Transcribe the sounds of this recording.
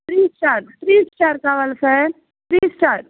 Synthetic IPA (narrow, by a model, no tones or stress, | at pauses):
t̪ɾiːst͡ʃaːɾt̪ɾiːst͡ʃaːɾkaʋəlse | t̪ɾiːst͡ʃaːɾ